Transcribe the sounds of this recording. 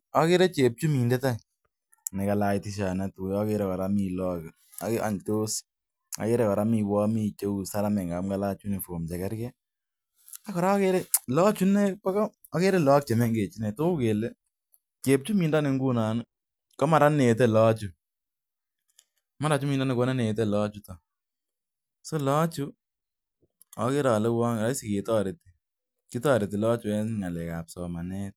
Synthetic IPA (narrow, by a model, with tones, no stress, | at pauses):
ɔ˦ke˦ɾɛ˦t͡ʃe˨p̚t͡ʃu˦mi˨ndɛ˦ta˦˨ | nɛ˨ka˨la˦i˨ti˦ʃ̬a˨nɛ˦tu˨jɔ˦ke˧ɾɛ˦˨kɔ˨ɾa˦mi˨lɔ˦k | a˨ka̰˨nto˦s | a̰˨ke˦ɾɛ˦kɔ˨ɾa˦mi˦˨wɔ˦mi˦˧t͡ʃe˦u˨sa˦ɾa˦mɛ˨ŋɡa˨mɡa˦la˦t͡ʃu˦ne˨fo˨mt͡ʃɛ˨kɛ˦ɾkɛ˦ | a˦kɔ˨ɾa˦ke˦ɾɛ˦lɔ˦t͡ʃu˦nɛ˦pɛ˦kɔː˦ke˦ɾɛ˦lɔ˦k̚t͡ʃɛ˨mɛ˦ŋɡe˨t͡ʃi˦nɛ˨to˦u˦ke˨le˦ | ke˨p̚t͡ʃu˦mi˨nda˦ne˨ŋɡu˦na˨nu˦ | kɔ˦ma˨ɾa˦ne˨t̬e˦lɔ˦t͡ʃu˨ | ma˦ɾa˨t͡ʃu˦mi˨nda˦ne˨ko˦na˦ne˨t̬e˦lɔ˦t͡ʃu˦tɔ˨ | so˦lɔ˦t͡ʃu˦ | ɔ˨ke˦ɾɔ˨lɛ˦wɔ˦ŋ˨ɾa˦si˦ke˨tɔ˦ɾe˨ti̥˨ | ki˦tɔ˦ɾe˨ti˨lɔ˦t͡ʃu˨ɛ˦nŋa˨lɛ˨ka̰˨psɔ˨ma˨nɛ˦t̚